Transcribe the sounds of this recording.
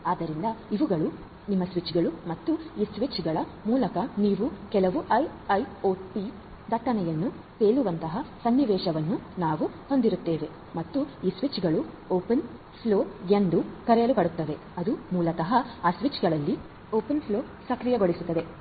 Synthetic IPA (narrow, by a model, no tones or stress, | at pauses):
aːd̪ɐɾind̪ɐiʋuɡɐɭu | nimːɐsʋit͡ʃɡɐɭumɐt̪ːuiːsʋit͡ʃɡɐɭɐmuːlɐkɐniːʋukɛlɐʋuʔɐjɐjoːʈʈi | d̪ʱɐʈːɐnɛjɐnːu | peːɭuʋɐnt̪ɐɦɐsɐnːiʋɛːʃɐʋɐnːunaːʋuho̞nd̪iɾut̪ːe̞ːʋe̞ | mɐt̪ːuiːsʋit͡ʃɡɐɭu | oːpen | pʰloːend̪ukɐɾɛjɐlupɐɽut̪ːɐʋe̞ | ɐd̪umuːlɐk̪ɐɦɐaːsʋit͡ʃɡɐɭɐlːi | oːpenpʰlo̞ː | sɐkɾijɐɡo̞ɭisut̪ːɐd̪e̞